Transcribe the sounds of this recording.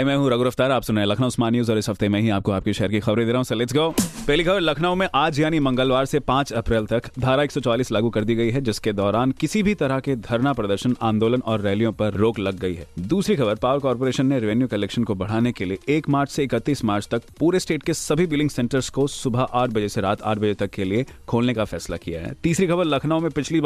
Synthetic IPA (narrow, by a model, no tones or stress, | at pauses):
ɦɛmɛ̃ːɦũɾɐɡʊɾəft̪aːɾaːpsʊneẽlɐkʰnaʊsmaːnjuːzɔːɾɪsɦɐft̪emɛ̃ːɦiaːp̚koaːp̚keʃɛɦəɾkixɐbɾẽd̪eːɾɐɦũsɐleːsɡoːpɛɦlixɐbəɾlɐkʰnaːõmẽʔaːd͡ʒjaːnimɐ̃ŋɡəlʋaːɾsepãːt͡ʃɐpɾɛːlt̪ɐkd̪ʱaːɾaeːksɔt͡ʃaːliːslaːɡukɐɾd̪iɡɐiɦɛd͡ʒɪsked̪ɔːɾaːnkɪsibʱit̪ɐɾəked̪ʱɐɾnapɾɐd̪əɾʃənã̰ːnd̪oːlənɔːɾːɛːljõpɐɾːoːklɐɡːɐḭɦɛ̰ːd̪uːsɾixɐbəɾpaːʋəɾkɔːɾpoːɾeːʃənːeɾɪʋɛnjukɐlɛːkʃənkobɐɽ̤aːnekelieeːkmaːɾt͡ʃʰseɪkət̪ːiːsmaːɾt͡ʃʰt̪ɐk̚puːɾesʈeːʈ̚kesɐbʱibɪlɖɪ̃ŋɡsɛ̃ːɳʈəɾskosʊbʱaʔaːʈ̚ʰbɐd͡ʒeseɾaːt̪ʰa̰ːʈ̚ʰbɐd͡ʒet̪ɐkːeliekʰoːlnekafɛːsla̰kija̰ɦɛ̰ːt̪iːsɾixɐbəɾlɐkʰnaːõmẽpɪt͡ʃʰli